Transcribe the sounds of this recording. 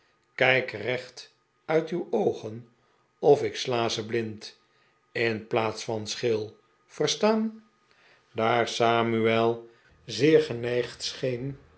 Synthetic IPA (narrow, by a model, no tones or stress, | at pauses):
kɛjkrɛχt | œɥtywowχən | ɔfɪkslaːzəblɪnt | ɪnplaːtsfɑnsχɪlˠ | v̥əɹstaːn | daːɹsaːmyɛlˠ | zɪːɹχənɛjχtsχejn